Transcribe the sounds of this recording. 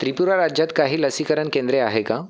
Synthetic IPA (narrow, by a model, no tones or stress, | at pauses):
t̪ɾipuɾaɾad͡ʑjat̪kaɦiːləsikəɾəɳkẽnd̪ɾeaɦeka